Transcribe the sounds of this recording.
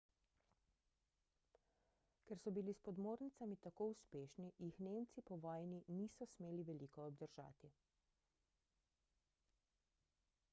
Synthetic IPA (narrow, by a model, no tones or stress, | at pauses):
kɛɾsɔbilispɔd̪moːɾnit̪samit̪akoːuspeːʃnijixneːmt̪sipɔʋɔːjniniːsɔsmeːliʋɛliːkɔːb̚d̪əɾʒa̰ːt̪i